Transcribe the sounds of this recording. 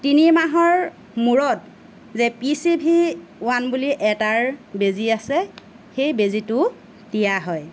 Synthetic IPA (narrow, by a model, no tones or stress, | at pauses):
tinimaɦɔɹ | muɹɔt̚ | zɛpisibʱiwanbuliʔɛtaɹbeziasɛ | xejbezitʊ | dijaɦɔj